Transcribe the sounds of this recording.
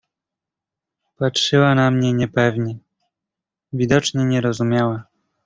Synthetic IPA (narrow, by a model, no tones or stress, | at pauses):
patʂɘwanamɲɛɲɛpɛvɲɛ | vʲid̪ɔt͡ʂɲɛɲɛɾɔzumʲjawa